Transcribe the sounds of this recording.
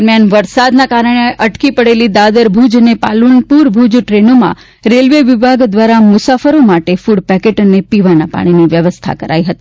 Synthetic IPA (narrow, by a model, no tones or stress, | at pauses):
əɾmjanʋəɾsad̪nakaɾəɽ̃eʔəʈkipəɽelid̪ad̪əɾbʱud͡ʒnepalunpuɾbʱud͡ʒʈɾenomã̰ | ɾelʋeʋɪbʱaɡd̪ʋaɾamʊsafəɾomaʈefuɽpɛkeʈnepiʋanapa̰ɽ̃iniʋjəʋəst̪ʰa̰kəɾa̰iɦət̪i̥